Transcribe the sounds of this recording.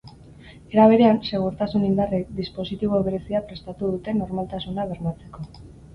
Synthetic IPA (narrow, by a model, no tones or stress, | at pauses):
e̞ɾaβ̞e̞ɾe̞anse̞ɣ̞uɾt̪asunind̪arekd̪ispo̞sit̪iβ̞o̞βe̞ɾe̞siapɾe̞st̪at̪uðut̪e̞no̞ɾmalt̪asunaβ̞e̞ɾnat͡se̞ko̞